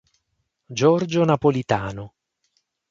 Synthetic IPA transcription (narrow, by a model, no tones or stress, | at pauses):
d͡ʒɔrd͡ʒonapolit̪aːno